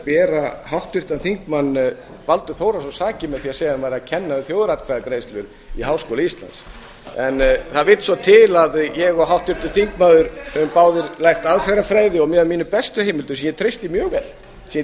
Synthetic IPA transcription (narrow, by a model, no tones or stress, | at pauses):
pɛːɾahawht̪ʏr̥t̪anθiŋkmanː | valt̪ʏθoːwɾasɔsaːcɪmɛ̥θiasejɣaanvajɾacʰɛnːaðʏθjowðɾat̪kʰvaðakɾejst̪lʏɾ | iɦaːwskowlist̪la̰nt̪s | ɛnθaðvɪt̪svɔt̪ʰɪlaðjɛɣɔɦawht̪ʏɾ̥t̪aθiŋkmaðʏɾʏmpaːwðʏɾlajxt̪aðfɛɾafɾajðɪɔmɛðamiːnʏpɛst̪ʏhejmɪlt̪ʏsɛmjɛt̪ʰɾejst̪ɪmjœːɣvɛt̪l | sɛ